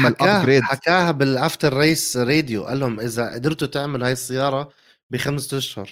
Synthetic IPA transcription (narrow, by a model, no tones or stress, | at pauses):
alkaɾeːd̪ħakaːhabɪlʕaft̪ɑɾˤːɑʔiːsɾeːd̪jṵʔa̰lːhʊmʔɪzaʔa̰d̪ɪɾt̪ut̪ɪʕmɪlhaːjɪsˤːɑjːɑːɾˤɑ | bɪxamst̪aʃhʊɾˤ